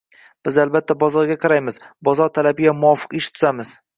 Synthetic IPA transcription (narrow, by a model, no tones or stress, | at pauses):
b̥ɪzalbat̪ʰːabɒzɒɾɡʲaqʰɑɾajmɪz̥bɒzɒɾt̪ʰalabɪɡʲamʊɒfɨ̥qɪʃt̪ʰʊzamɪz̥